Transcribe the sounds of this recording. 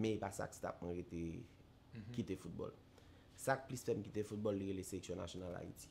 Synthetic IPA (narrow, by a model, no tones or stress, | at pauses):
mɛ̃epasa̰kst̪a̰p̚mwɛ̃ɣet̪e | kit̪efut̪̚bɔ̰l | sak̚plisfɛmkit̪efut̪̚bɔlːiɣeleseleksjɔ̃na̰sjonala̰ḭt͡si̥